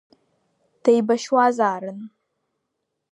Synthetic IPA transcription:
t̪əjbaʃwɑːzaːɾən

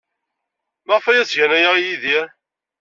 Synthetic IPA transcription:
mæʁfæjæsʝænæjaʁijiði

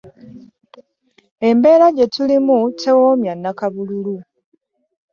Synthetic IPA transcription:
e̞mbe̞ːɾaɟe̞tulimutʰe̞womjanːakaβululu

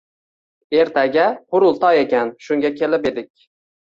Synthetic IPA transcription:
e̞ɾt̪ʰaɡʲahʊɾʊlˠt̪ʰɒje̞kʲanʃʊŋɡʲakʲʰe̞lɪpe̞d̪ɪkʲ

